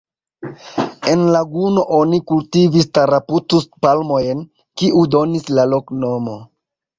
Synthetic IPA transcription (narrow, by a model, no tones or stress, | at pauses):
e̞nlaɡuno̞ʔo̞nikultivistaɾaputuspalmo̞jn | kiʔudo̞nislalo̞kno̞mo̞